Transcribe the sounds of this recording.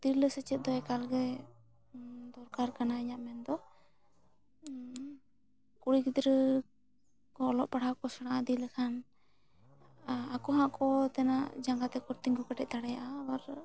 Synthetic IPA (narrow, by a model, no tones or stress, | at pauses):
d̪̥ilːəsɛt͡ʃɛt̪̚d̪ɔɛkalɡɛ | d̪ɔɾkaɾkanaiɲaʔmɛnd̪ɔ | kuɽikd̪ɾə | kɔːlɔʔpaɽ̤awkɔsaɽ̃ãʔad̪iləkʰan | akɔɦãʔkɔt̪ɛna̰ʔd͡ʒaŋɡat̪ɛkɔɾt̪iŋkɔkaʈɛc̪ʔ̚t̪aɽɛjaʔaːwaɾ